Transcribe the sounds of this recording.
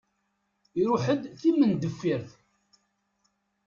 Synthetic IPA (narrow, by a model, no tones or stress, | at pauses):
iɾʊħəd̪θimənd̪əfːiɾθ